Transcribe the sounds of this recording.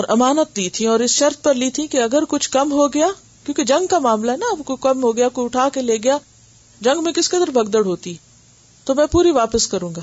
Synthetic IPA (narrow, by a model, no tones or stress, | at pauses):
ɔːɾʔɐmaːnət̪̚d̪it̪ʰĩɔːɾɪsʃɐɾt̪̚pɐɾlit̪ʰĩkeɐɡəɾkʊt͡ʃʰkɐmɦoɡɐjaː | kjõːked͡ʒɐ̃ŋɡkamaːmlaɦɛnaɐbkokɐmɦoɡɐjakoʊʈʰaːkeleːɡɐjaː | d͡ʒɐ̃ŋɡmẽkɪskɐd̪əɾbʱɐɡd̪əɽɦoːt̪i | t̪omɛ̃puːɾiʋaːpəskɐɾũːɡaː